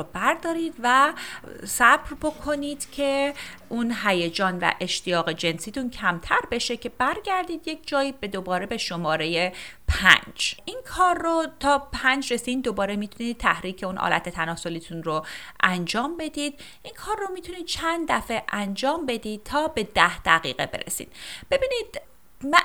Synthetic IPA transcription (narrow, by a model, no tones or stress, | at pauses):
bæɾd̪ɒːɾiːd̪væ | sæbɾbo̞kʰo̞niːd̪̥cʲʰe̞ʔunɦæje̞d͡ʒɒːnvæ̰ʔe̞ʃt̪ʰijɒːɣe̞d͡ʒe̞nsiːt̪uncʰæmt̪ʰæɾbe̞ʃe̞cʰe̞bæɾɡæɾd̪iːd̪je̞cʰd͡ʒɒːjibe̞d̪o̞bɒːɾe̞be̞ʃo̞mɒːɾe̞je̞pʰæ̰nd͡ʒʔinkʰɒːrːot̪ʰɒːpʰænd͡ʒresiːnd̪obɒːɾemit̪ʰuniːd̪̚t̪ʰːæhɾiːcʰe̞unʔɒ̰ːlʔæ̰t̪ʰe̞t̪ʰænɒːso̞liːt̪ʰunroʔænd͡ʒɒːmbe̞d̪iːd̪ | ʔinkʰɒːrːomiːt̪ʰuniːd̪̥̚t͡ʃʰænd̪d̪æfe̞ʔænd͡ʒɒːmbe̞d̪iːd̪̚t̪ʰɒːbe̞d̪æhd̪̥æɣḭːɣe̞̰be̞̰ɾḛsḭːd̪̥b̥e̞biːnid̪̥ | mæ